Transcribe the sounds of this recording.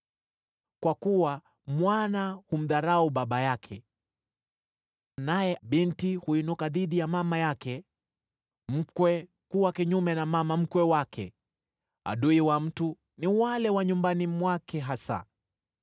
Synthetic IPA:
kwakuwa | mwanahum̩ðaɾauɓaɓajakʰɛ | anajɛɓintihuinukaðiɗijamamajakɛ | m̩kwɛ | kuwakiɲumɛnamamam̩kwɛwakʰɛ | a̰ɗuiwam̩tu | niwalɛwaɲumbanimwakɛɦasa̰

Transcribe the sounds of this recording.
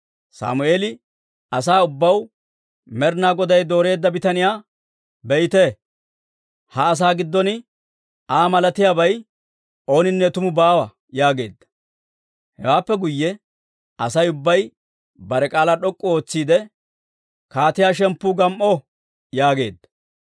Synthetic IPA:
sa̰ːmʊeːlɪ | ɐs̬aːʊbːɐw | mɛɾnaːɡɔd̪ɐjd̪o̞ːɾe̞ːd̪ːɐbɪt̪ɐnɪjaː | bɛjt̪e | hɐːs̬aːɡɪd̪ːɔnɪ | aːmɐlɐt̪ɪjaːbɐj | ʔo̞ːnɪnːɛt̪ʊmʊbaːwɐ | jaːɡe̞ːd̪ːɐ̥ | hɛ̰waːpːɛɡʊjːɛ | ɐsɐjʊbːɐj | bɐɾɛkʼaːlaɗɔkʼːɔo̞ːt͡sːiːd̪ɛ | kaːt̪ɪjaːʃɛmpːuːɡɐmʔɔ | jaːɡe̞ːd̪ːɐ̥

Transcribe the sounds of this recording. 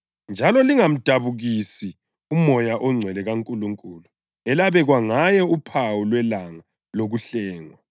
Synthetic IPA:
nd͡ʒʱalɔliŋam̩d̥ʱaβuɣisi | umɔjaʔɔŋ͡ǀʱwɛlɛɣaŋkʼuluŋkʼulu | ɛlaβɛɣwaŋajɛupʰawulwɛlaŋa | loɣuɬɛːŋwa

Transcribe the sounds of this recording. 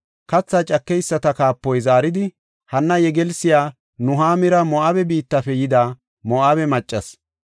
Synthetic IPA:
kɐt͡sːat͡ʃʼɐkːɛjsːɐt̪ɐkaːpːɔjzaːɾɪd̪ɪ | hɐnːɐjɛɡɛlsɪjaː | nʊɦaːmɪɾɐmɔʔabɛbiːt̪ːɐfɛjɪd̪a | mɔʔabɛmɐt͡ʃʼːɐs

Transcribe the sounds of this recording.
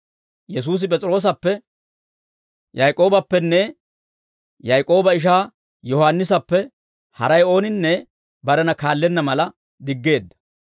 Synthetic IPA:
jɛs̬uːs̬ɪpʼɛt͡sʼɪɾo̞ːs̬ɐpːɛ | jɐjkʼo̞ːbɐpːɛnːɛ | jɐjkʼo̞ːbɐɪʃ̬aː | jɔhanːɪs̬ɐpːɛ | hɐ̰ɾɐjo̞ːnɪnːɛ | bɐd̪ɐnɐkaːlːɛnːɐmɐlɐ | d̪ɪɡːe̞ːd̪ːɐ̥

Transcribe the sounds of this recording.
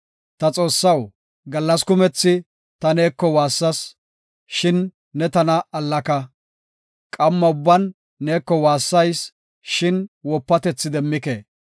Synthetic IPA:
t̪ɐt͡sʼo̞ːsːɐw | ɡɐlːɐskʊmɛt͡sːɪ | t̪ɐne̞ːkːɔwaːsːɐs | ʃɪnː | ɛt̪ɐnɐɐlːɐkɐ | kʼɐmːɐʊbːɐnː | e̞ːkːɔwaːsːɐjs | ʃɪnwɔpːɐt̪ɛt͡sːɪd̪ɛmːɪke

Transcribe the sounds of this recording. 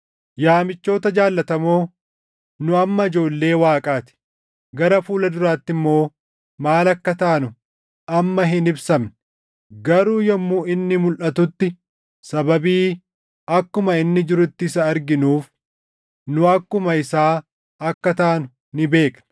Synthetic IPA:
jaːmɪt͡ʃːo̞ːt̪ɐd͡ʒaːlːɐt̪ɐmo̞ː | nʊɐmːɐɪd͡ʒo̞ːlːe̞ːwaːkʼaːt̪ɪ̥ | ɡɐɾɐfuːlɐd̪ʊɾaːt̪ːɪmːo̞ː | maːlɐkːɐt̪aːnʊ | ɐmːɐɦɪnɪbsɐmn | ɡɐɾuːjɐmːuːɪnːɪmʊlʔɐt̪ʊt̪ːɪ | sɐbɐbiː | ɐkːʊmɐɪnːɪd͡ʒɪɾʊt̪ːɪsɐːɾɡɪnuːf | nʊɐkːʊmɐɪsaː | ɐkːɐt̪aːnʊ | nɪbe̞ːkʼn

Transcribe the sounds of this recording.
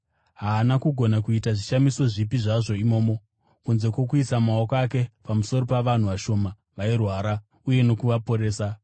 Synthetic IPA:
ɦaːnakuɡʱo̞nakuitaʐiʃamiso̞ʐipiʐaʐo̞imo̞ːmo̞ | kunze̞kwo̞kuisamaokoake̞pamuso̞ɾo̞paʋan̤uʋaʃo̞ːma | ʋairwaːɾa | uje̞no̞kuʋapo̞ɾe̞ːsa

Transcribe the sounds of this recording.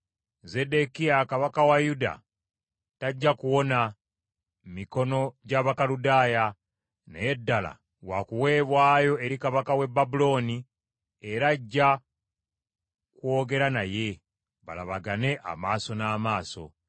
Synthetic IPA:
ze̞de̞kijakaβakawajuda̰ | taɟːakuwo̞na | miko̞no̞ɟaβakaludaːja | nḛjedːala̰ | wa̰kuwe̞ːβwaːjo̞e̞ɾikaβakawe̞bːabulo̞ni | e̞ɾaɟːa | kwo̞ːɡe̞ɾanaje̞ | βa̰laβaɡane̞ʔa̰maːso̞naːmaːso̞̰

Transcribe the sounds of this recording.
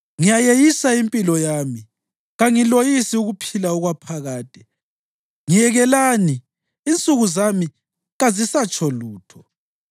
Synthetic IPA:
ŋijajejisaimpʼilɔjaːmi | ɣaŋilojisiuɣupʰilauɣwapʰaɣaːtʼɛ | ŋijɛɣɛlaniː | nt͡sʼuɣuzami | ɣazisat͡ʃʼʰɔluːtʰɔ

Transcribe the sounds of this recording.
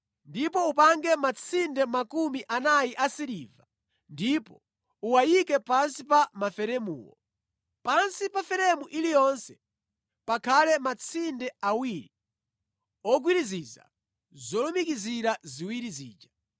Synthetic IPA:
ndipɔupaŋɡɛmat͡sʰindɛmakumiʔanajiʔasiɾiva | ndipɔ | uwajikɛpansipamafɛɾɛmṵːwɔ̰ | pansipafɛɾɛmuʔilijɔnsɛ̥ | pakʰalɛmat͡sʰindɛawiɾi | ɔɡwiɾiziza̰ | zɔlɔmikiziɾaziwiɾizḭːd͡ʒḁ

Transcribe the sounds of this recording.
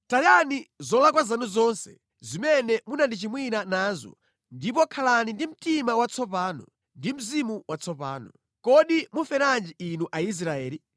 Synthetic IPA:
tajanizɔlak̬wazanuzɔnsɛ | zimɛnɛmunandit͡ʃimwinanaːzɔ̰ | ndipɔkʰalanindim̩timawat͡sʰɔp̬aːnɔ̰ | ndim̩zimuwat͡sʰɔpa̰ːnɔ | kɔɗimufɛɾand͡ʒiinuʔais̬ɾaɛːli

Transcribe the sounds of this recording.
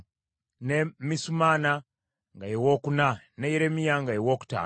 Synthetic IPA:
nemisumana | ŋɡajewokuna | nejeɾemijaŋɡajewoku̥ta̰

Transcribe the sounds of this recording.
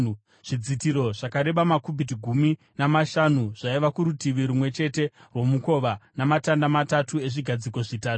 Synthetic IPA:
ʐ̥id͡zitiɾo̞ʐakaɾe̞ɓamakubʱit̬iɡʱumi | namaʃanuʐaiʋakuɾutiʋiɾumwe̞t͡ʃe̞te̞rwo̞muko̞ʋanamatandamatatue̞ʐiɡʱad͡ziko̞ʐitaːtu̥

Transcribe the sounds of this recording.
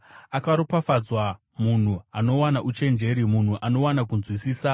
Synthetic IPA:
akaɾopafad͡zwa | mun̤uano̞wanaʔut͡ʃe̞nd͡ʒe̞ɾimun̤uʔano̞wanakunzwisiːsa

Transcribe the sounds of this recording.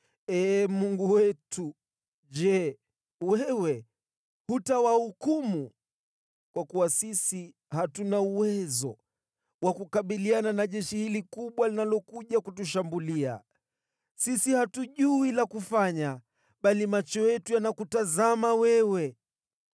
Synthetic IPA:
ɛːmuŋɡuwɛtu | ʄɛ | wɛwɛ | hutawahukumu | kwakuwasisi | hatunauwɛzɔ | wakukaɓiliananaʄɛʃihilikuɓwalinalɔkuʄakutuʃambulia̰ | sisihatuʄuilakufaɲa | ɓalimat͡ʃɔjɛtujanakutazamawɛwɛ

